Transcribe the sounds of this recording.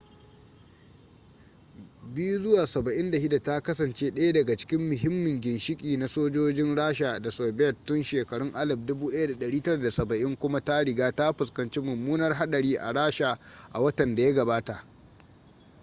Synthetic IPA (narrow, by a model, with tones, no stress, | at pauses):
bɪ˦ju˦zʊ˦waː˨sɐ˨bɐ˨ʔɪ˦nda˨ʃɪ˦da˨ta˦kɐ˦sɐ˨nt͡ʃeː˦ɗɐ˦ja˦dɐ˨ɡa˨t͡ʃɪ̥˦kʲɪ˦mːʊ˨ɦɪ˦mːɪ˨ŋɡʲɪ˨nʃɪ˦kʲʼiː˨na˦soː˦d͡ʒoː˦d͡ʒɪ˦nɽaː˦ʃa˨da˨so˨bɛ˨tːʊ˦nʃeː˨kɐ˨ɽʊ˦ŋʔa˦lɐ˨b̚dʊ˦buː˦ɗɐ˦ja˦da˨ɗɐ˨ɽiː˦tɐ˦ɽa˨da˨sɐ˨bɐ˨ʔɪ˦ŋkʷʊ˦ma˦ta˦ɽɪ˨ɡaː˦ta˦ɸʊ˨skɐ˨nt͡ʃe˦mʊ˨mːuː˦nɐ˦rɦa˦ɗɐ˨ɽiː˦ʔa̰˨ɽaː˦ʃa˨ | ʔa̰˨wɐ˦tɐ˨nda˨ja˦ɡɐ˨baː˦ta˨ʔ